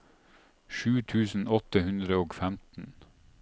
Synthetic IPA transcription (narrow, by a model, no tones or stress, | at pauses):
ʃʉːt̪ʰʉːsn̩ɔt̪əhʉnd̪ɾəoːɡfæmt̪n̩